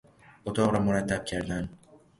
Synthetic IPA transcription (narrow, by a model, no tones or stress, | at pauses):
ot̪ʰɒʁɾamʊɾat̪ʰːap̚kʲʰaɾd̪an